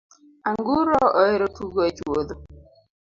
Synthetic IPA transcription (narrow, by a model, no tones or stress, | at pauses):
aŋɡuɾɔɔeɾotuɡoet͡ʃwod̪o